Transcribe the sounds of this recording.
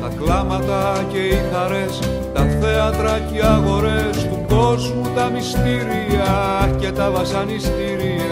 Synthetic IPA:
t̪ɐklɐmɐt̪ɐce̞ixɐɾe̞s | t̪ɐθe̞ɐnd̪ɾɐciɐɣo̞ɾe̞st̪uɡo̞zmut̪ɐmist̪iɾiɐcet̪ɐvɐsɐnist̪iɾiɐ

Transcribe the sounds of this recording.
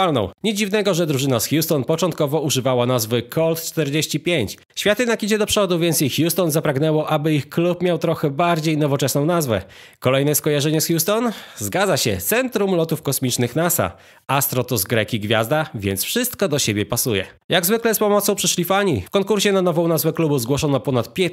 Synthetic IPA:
alnɔ̰̃w̃ɲɛd͡ʑivnɛɡɔʐɛd̪ɾuʐɘnasxʲjust̪ɔnpɔt͡ʂɔnt̪̚kɔvɔuʐɘvawanazvɘkʰɔlt̪t͡ʂt̪ɛɾd͡ʑeɕt͡ɕipʲjeɲt͡ɕ | ɕfʲjat̪ɘnakʲid͡ʑɛd̪ɔpʂɔd̪uvʲjɛnt̪sixjust̪ɔnzapɾaɡnɛwɔʔabɘixklupmʲjawt̪ɾɔxɛbaɾd͡ʑejnɔvɔt͡ʂɛsnɔ̃w̃nazvɛ̰kɔlɛjnɛskɔjaʐɛɲɛsxʲjust̪ɔnzɡad̪zaɕɛ̰t̪sɛnt̪ɾumlɔt̪ufkɔsmʲit͡ʂnɘxnasa̰ | ʔast̪ɾɔt̪ɔzɡɾɛkʲiɡvʲja̰zd̪avʲjɛnt̪sfʂɘst̪kɔd̪ɔɕebʲjɛpasujɛ̰ | jaɡzvɘklɛspɔmɔt̪sɔ̃w̃pʂɘʂlʲifaɲifkɔŋkuɾɕɛnanɔvɔ̃w̃nazvɛklubuzɡwɔʂɔnɔpɔnat̪̚pʲjɛ

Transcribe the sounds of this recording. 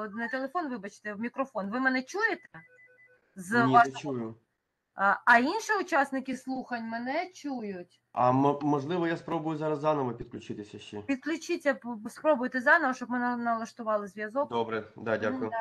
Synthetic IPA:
nɐt̪elˠefɔnʋɪbɐt͡ʃɪ̥t̪ɛmʲikɾɔfɔnʋɪmɛnɛt͡ʃujet̪ɛ | zʋɑt͡ʃujʊ | ɐinʃiʊt͡ʃɑsnɪkɪslˠuxɐnʲmɛnɛt͡ʃujʊtʲ | ɐ̰mmɔʒlˠɪʋɔjaspɾobʊjʊzɑɾɐzːnɔʋɔpʲid̪̚klʲʊt͡ʃɪt̪ɪsʲɐʃt͡ʃɛpʲid̪̚klʲʊt͡ʃɪt͡sʲːɐpspɾɔbʊjet̪ɛzɑnɔʋɔʃɔb̚mɪnɛnɐlˠɐʃt̪ʊʋɑlˠɐzʲʋʲjɐzɔkd̪ɔbɾɛd̪adʲakʊjʊ

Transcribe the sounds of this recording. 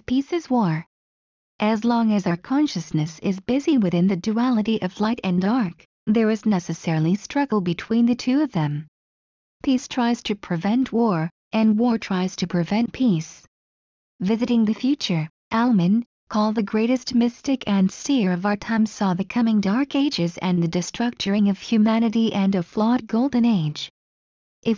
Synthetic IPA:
pʰisɨzwɔɹ | ʔɨzlɔ̃ŋɨzaə˞kʰɑ̃nʃɨsnɨsɪzbɪziwɨθɪ̃nðɨdʉælˠəɾiʔʌvlaɪɾɨ̃ndɑɹk | ðə˞ɨznɛsɨsɛɹl̩ˠistɹ̥ʌɡl̩ˠbɨtʰw̥ĩnðɨtʰʉʌvðɨ̃m | pʰistʰɹ̥aɪz̥tʰɨpʰɹ̥ɨvɛ̃nʔwɔɹ | ʔɨ̃nwɔɹtʰɹ̥aɪz̥tʰɨpʰɹ̥ɨvɛ̃npʰis | vɪzɨɾɪ̃ŋðɨfjʉt͡ʃə˞ | ʔælˠmɨ̃n | kʰɔl̚ˠðɨɡɹeɪɾɨst̚mɪstɨkʰɨ̃nstɪɹʌvaʊə˞tʰãɪ̃msɔðɨkʰʌmɪ̃ŋdɑɹkeɪd͡ʒɪzɨ̰̃nðɨdɨstɹ̥ʌk̚t͡ʃə˞ɪ̃ŋʌv̥hjʉmænɨɾiʔɨ̃nʌv̥flɔd̚ɡoʊlˠdⁿn̩eɪd͡ʒ | ʔɨ

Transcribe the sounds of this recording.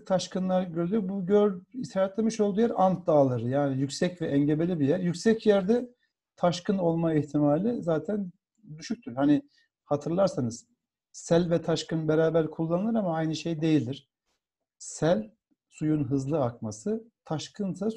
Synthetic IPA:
t̪ʰaʃkɯnlˠaɾɟøɾelʲyɾbuɟøɾit̪ʰaɾat̪lʲemiʃo̞lˠd̪ujɛɾamt̪d̪aːlˠɯɾjaːnijycsɛcvɛʔɛɲɟebe̞lʲibijɛɾjycsɛcjæɾd̪ɛ | t̪ʰaʃkʰɯno̞lˠmaiçt̪ʰimaːlʲizaːt̪ʰæn | d̪yʃyc̚t̪ʰyɾhanɪ | hat̪ʰɯɾlˠaɾsanɯz̥ | sælʲvɛt̪ʰaʃkɯnbeɾaːbæɾkʰulˠːanɯlˠɯɾamaajnɯʃe̞jd̪e̞jilʲd̪iɾ̥ | sælʲ | sujunɦɯzlˠɯakmasɯt̪ʰaʃkʰɯnt̪ʰa

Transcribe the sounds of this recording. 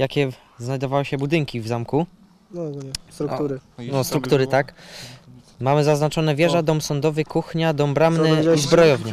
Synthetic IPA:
jakʲɛ | znajd̪ɔvawɘɕɛbud̪ɘŋkʲivzamku | sɾuɾnɔst̪ɾukt̪uɾɘt̪ak | mamɘzaznat͡ʂɔnɛvʲjɛʐad̪ɔmsɔnd̪ɔvɘkuxɲad̪ɔmbɾamnɘizbɾɔjɔvɲa

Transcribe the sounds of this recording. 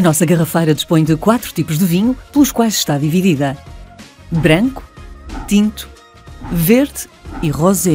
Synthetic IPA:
ɐnɔsɐɣɐʁɐfɐjɾɐd̪iʃpõj̃d̪ɨkwat̪ɾu̥t̪ipuʒðɨviɲupɨlˠuʃkwajzʃt̪aðiviðiðɐ | βɾɐ̃ŋku̥t̪ĩnt̪u̥ | veɾðiʁɔzi

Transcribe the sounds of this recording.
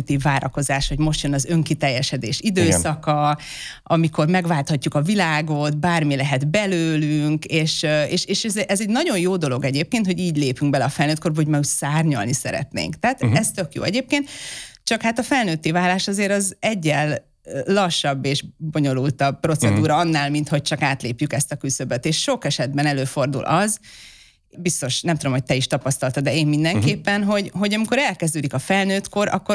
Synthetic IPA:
t̪ːiːvːaːɾɒko̞zaːʃho̞ɟmo̞ʃt̪jønɒzø̞ŋkit̪ɛjːɛʃɛd̪eːʃid̪øːsɒkɒ | ɒmiko̞rmɛɡvaːlt̪hɒcːukɒvilaːɡo̞t̪baːrmilɛɦɛd̪bɛløːlyŋkeːʃeːʃeːʃɛzʔɛzɛɟnɒɟo̞jjoːd̪o̞lo̞ɡɛɟeːp̚keːnt̪ho̞ɟiːɟleːpyŋɡbɛlɛɒfɛlnøːt̪ko̞rbɒɦoɟmɛucsaːrɲɒ̰lnisɛ̰ɾɛ̰t̪nḛːŋkt̪ɛaːt̪ɛst̪økjo̰ːɛɟeːp̚keːnt̪t͡ʃɒkhaːt̪ɒfɛlnøːt̪ːivaːlːaːʃɒzeːɾɒzɛɟːɛlː | ɒʃːɒbːeːʒbo̞ɲo̞lult̪ɒbpːro̞t̪sɛd̪uːɾɒɒnːaːlmint̪ho̞c̚t͡ʃɒkaːt̪leːpjykɛst̪ɒkysøbøt̪eːʃːo̞kɛʃɛd̪bɛnɛløːfo̞rd̪ṵlʔɒz | bist̪o̞ʃnɛmt̪ud̪omhoc̚ʲt̪ɛiʃt̪ɒpɒst̪ɒlt̪ɒd̪ɛeːmmind̪ɛŋkeːpːɛnɦo̞ɟɦo̞ɟɒmiko̞ɾɛlkɛzd̪øːd̪ikɒfɛlnøːt̪ko̞ɾɒ̰kːo

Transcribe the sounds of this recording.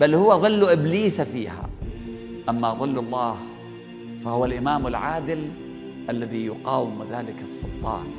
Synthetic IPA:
b̥alːhʊwːaðˤɨlːuʔɪbliːsafiːha̰ | ʔamːaðˤɨlːɑlˤːɑːh | fahʊwalʔɪmaːmalʕaːd̪ɪl | ʔalːaðijʊqɑːwɪmɪðaːlɪkɑsˤːʊlt̪ˤɑ̰ːn

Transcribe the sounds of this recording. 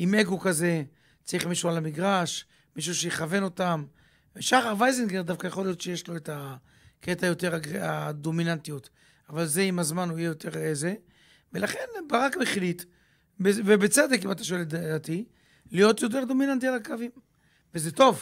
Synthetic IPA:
ime̞ɡo̞kaze̞ | t͡saʁiχmiʃualamiɡʁaʃ | miʃ̬uʃejeχave̞no̞tam | veʃaχavajzenɡeʁd̪afkajaχo̞lijo̞tʃejeʃlo̞eta | ketajo̞te̞ʁaɡad̪o̞minant̪ijo̞t̪ | avalze̞imazmanuijejo̞tʰe̞ʁeze | velaχe̞nbaʁakmeχilit̪ | bevebet͡sed̪ekimat̪ḁʃo̞eldadat̪i | lijo̞t̪jo̞t̬e̞ʁd̪o̞minant̬ialakavim | vezet̪o̞v

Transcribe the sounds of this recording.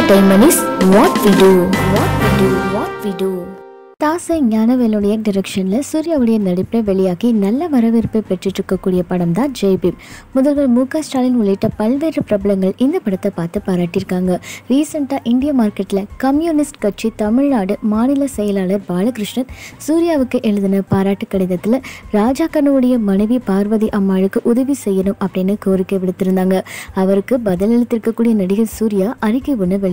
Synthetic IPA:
ɖɐɪmɐnisʋaːʈʋiɖuʋaːʈʋiɖuʋaːʈʋiɖu | t̪aːsɐɲaːnɐʋeːlɯɽɐjɐɖɪɾɛkʂɐnlɐsuːɾɪjaːʋɯɽɐjɐnɐɽɪpːlɐʋɛɭɪjaːkinɐlːɐʋɐɾɐʋɪɾɯpːɐpɛʈrɪʈːɾɯkːɐkːuːɽɪjɐpɐɽɐmd̪ãːnd͡ʒeːpimʊðɐlʋɐlmuːkaːsʈaːlɪnʊɭːɪʈːɐpɐɭʋeːɾɐpɪɾɐbɐlɐŋɡɐɭɪnd̪ɐpɐɽɐt̪ːɐpːaːɾt̪ɯpaːɾaːʈːɪɾɯkːaːŋɡɐɾiːsɐɳʈaːʔɪɳɖɪjɐmaːɾkɐʈːɪlɐkɐmjuːnɪsʈkɐʈ̚t͡ʃit̪ɐmɪɻnaːɽɯmaːnɪlɐsɛjɐlaːɭɐɾbaːlɐkɾɯʂɳɐt̪suːɾɪjaːʋɯkːɯʔɛɻɯðɪnɐpaːɾaːʈːɯkːɐɽɪðɐt̪ːɪlɐɾaːd͡ʒaːkːɐnuːɯɽɐjɐmɐnɐɪʋipaːɾʋɐðiʔɐmːaːɻɯkːɯʔʊðɐʋisɛjːɐnɯmɐpːɐɽɪnːɯkːoːɾɪkːeːʋɪɽɯt̪ːɪɾɯnd̪aːŋɡɐɐʋɐɾɯkːɯbɐðɐlɛɻɯt̪ːɪɾɯkːɐkːuːɽɪjɐnɐɽɪɣɐlsuːɾɪjaːʔɐɾɪkːɐʋʊɳːɯʋɛɭɪ

